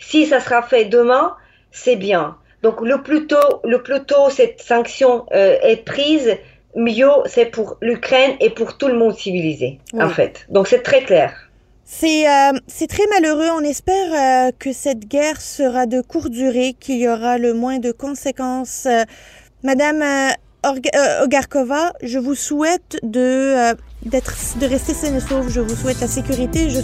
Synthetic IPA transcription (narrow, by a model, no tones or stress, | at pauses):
sisasəʁafɛd̪əmɛ̃ | sɛbjɛ̃ | d̪̥ɔ̃kləplyt̪oləplyt̪osɛt̪sɑ̃ksjɔ̃øɛpχiz | mjosɛpuʁlykχɛnepuʁt̪uləmɔ̃d̪sivilizewɑ̃fɛ̰t̪d̪ɔ̃ksɛt̪χɛklɛːʁ | sɛøsɛt̪χɛmaløʁøɔ̃nɛspɛʁøkəsɛt̪ɡʲɛʁsəʁad̪əkuʁd̪yʁekʰʲiljɔʁaləmwɛ̃d̪əkɔ̃sekɑ̃sø | mad̪am | ɔʁɡɔɡaʁkɔvaʒəvusuɛt̪d̪əød̪ɛt̪χd̪əʁɛst̪esɛnesofʒəvuswɛt̪lasekʲyʁit̪eʒə